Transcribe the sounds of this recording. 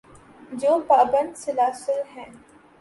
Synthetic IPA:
d͡ʒoːpaːbə̃nd̪sɪlaːsɪlɦɛ̃ː

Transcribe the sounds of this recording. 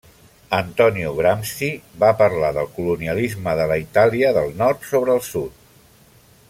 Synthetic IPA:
ənt̪ɔniuɣɾamsibapəɾlaðəlˠkuluniəlizməðələit̪aliəðəlˠnɔɾt̪soβɾəːlˠsut̪̚

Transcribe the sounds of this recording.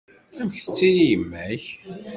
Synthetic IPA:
θæməçθə̥t͡sːijijəmːæç

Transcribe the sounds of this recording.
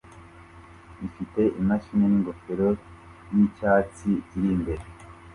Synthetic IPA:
ifite̞ʔimaʃiɲeniŋɡofeɾo | jicaːt͡siciɾimbe̞ɾe

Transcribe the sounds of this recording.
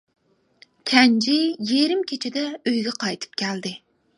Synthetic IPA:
kʲʰɛnd͡ʒɪjeɾɪmkʲʰet͡ʃʰɪd̪ɛøjɡʲɛqʰɑjt̪ʰɨ̥p̚kʲʰæld̪ɪ

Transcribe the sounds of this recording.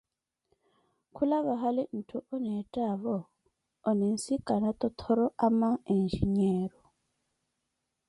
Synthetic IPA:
kʰulaβaɦalin̩tʰuʔɔnɛtʼaβɔː | nɛn̩sikʼanat̪ʼɔt̪ʰɔɾɔʔamaend͡ʒiɲɛːɾɔ

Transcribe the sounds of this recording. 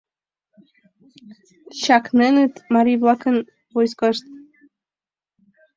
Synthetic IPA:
ɕɑknenət̪mɑɾiβlˠɑkə̆n | vojskoʃt̪̚

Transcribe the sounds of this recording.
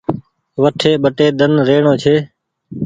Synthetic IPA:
ʋəʈʰeːɓəʈeːd̪ənɾeːɳõːt͡ʃʰeː

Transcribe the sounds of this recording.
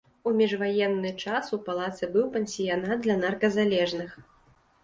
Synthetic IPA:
umʲiʐvajɛnːɨt͡ʂasupalˠat̪sɨbɨwpɛnʲsʲijanat̪̚d̪lʲɐnarkɐzalʲɛʐnɨx

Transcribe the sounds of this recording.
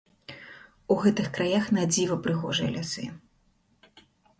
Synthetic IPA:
uɣɛt̪ɨxkɾajaxnad͡zʲivɐpɾɨɣɔʐɨjɐ̰lʲasɨ̰

